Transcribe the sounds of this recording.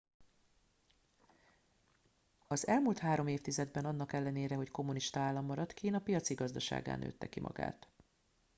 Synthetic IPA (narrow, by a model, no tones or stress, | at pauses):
ɒzɛlmult̪haːɾo̞meːft̪izɛd̪bɛnɒn̪ːɒkɛlːɛneːɾɛɦo̞cko̞muniʃt̪ɒaːlːɒmːɒɾɒt̪kiːnɒpijɒt̪siɡɒzd̪ɒʃa̰ːɡa̰ːnʔø̰ːt̪ːɛkimʔɒ̰ɡa̰ːt̪